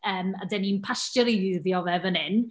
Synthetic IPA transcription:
əːma̰dɛninpʰastəɾiɪðjɔvɛvənɪn

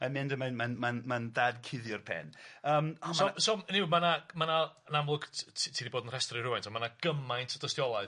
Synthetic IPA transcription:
amɪndəmanmanmanmanðaːdkʰɪðjʊrpʰɛ̰nəːmsɔsɔmniwmanamanaənamlˠʊɡ̥ʰtʰiːðiboːdənr̥ɛstrɪrʊajntʰɔmanaɡ̥əmajntʰɔd̥əstjɔlˠaɨð

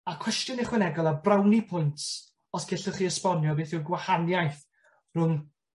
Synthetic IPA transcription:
akʰw̥ɛstjɔnɪχwɪnɛɡɔlˠabrawnipʰʊjntʰ | ɔsɡ̥ɪɬəχiːəspɔnjɔbeːθɪɡwahanjajθ | r̥ʊn

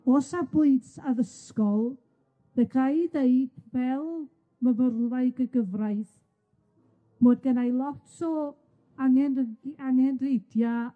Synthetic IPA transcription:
oːsabʊɨntaðəskɔlˠ | ðəkʰajðeɨd̥vɛlˠ | məvərlˠaɨɡəɡəvrajθ | moːdɡənajlˠɔtʰɔ | aŋɛnaŋɛnrejdja

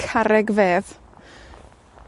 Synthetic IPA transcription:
kʰaɾɛɡveːð

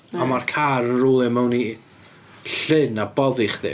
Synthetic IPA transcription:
amarkʰaɾənruːlˠɛmɛwni | ɬɪnabɔðɪχðɪ̰

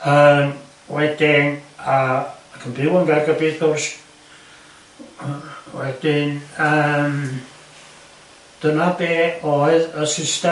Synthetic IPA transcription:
əːm | wɛd̥ɪnakʰəmbɪwənɡɛɡəbiːðɔrs | wɛd̥ɪnəːm | d̥ənabeːɔɨðəsɪstɛ

